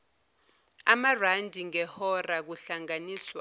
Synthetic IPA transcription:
amarandʱiŋɛhɔrak̬uɬaŋaniːswa

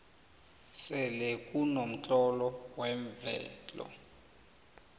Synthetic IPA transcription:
sɛlɛkʼunom̩t͡ɬʼɔlɔwɛɱvɛ̰ːlɔ̰

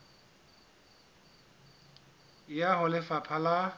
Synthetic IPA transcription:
jaɦʊlɪfapʰala

